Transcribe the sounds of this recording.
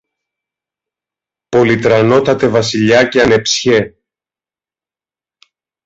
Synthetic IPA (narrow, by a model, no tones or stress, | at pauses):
po̞lit̪ɾɐno̞t̪ɐt̪e̞vɐsiʎɐceɐne̞psçe̞